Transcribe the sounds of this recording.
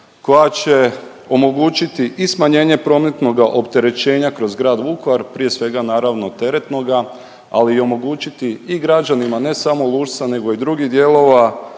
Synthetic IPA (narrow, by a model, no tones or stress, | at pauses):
ko̞jat͡ɕe̞ | o̞mo̞ɡuːt͡ɕit̪iʔismaɲe̞ːɲe̞pɾo̞me̞t̪no̞ɡaʔo̞pt̪e̞ɾe̞t͡ɕe̞ːɲakɾo̞zɡɾaːd̪ʋukʋaɾpɾije̞sʋe̞ɡanaːɾaʋno̞t̪e̞ɾe̞t̪no̞ɡa | a̰liːo̞mo̞ɡuːt͡ɕit̪iiɡɾad͡ʒanimane̞samo̞lˠuːʒt̪sane̞ɡo̞id̪ɾuɡid̪je̞lˠo̞ʋa